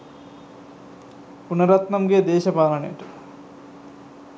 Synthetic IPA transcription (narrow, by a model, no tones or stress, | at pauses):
punɐɾɐt̪nɐmɡed̪eːʃɐpaːlɐɳḛʈ